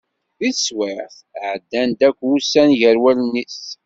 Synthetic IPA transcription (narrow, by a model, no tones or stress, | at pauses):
iθswɪʕθ | ʕəd̪ːænd̪ækʷːusːænʝəɾwælənːis